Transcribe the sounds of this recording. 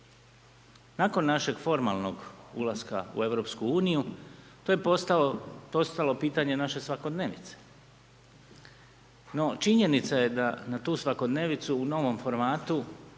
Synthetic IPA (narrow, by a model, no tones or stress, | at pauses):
nako̞nːaʃe̞ɡ̥fo̞ɾma̰lˠno̞ɡṵlˠaska̰ṵe̞ʋɾo̞ːpskuuːniju | t̪ojepot̪t̪o̞st̪alo̞piːt̪aɲe̞naʃe̞sʋako̞d̪ne̞ːʋnit̪se̥ | no̞t͡ʃiɲe̞nit̪saje̞d̪anat̪uːsʋako̞d̪ne̞ːʋnit̪suːno̞ʋo̞mfo̞ɾmaːt̪u